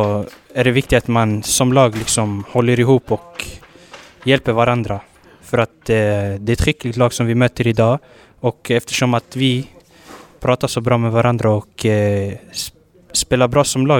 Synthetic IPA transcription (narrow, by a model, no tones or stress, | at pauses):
ɔæɖɛvɪk̚t̪ɪt̪at̪mansɔmlɑːɡlɪksɔmhɔlːəɾɪɦuːpɔk | jɛlpəɾvaɾand̪ɾa | fœɾat̪d̪ɛɾɛt̪ɾʏkːlɪɡ̚t̪lɑːɡsɔmvɪmøːt̪əɾɪd̪ɑː | ɔkɛft̪ə̥ʂɔmat̪vɪ | pʰɾɑːt̪aʂɔbɾɑːmɛvaɾand̪ɾaɔk | speːlaɾbɾɑːsɔmlɑː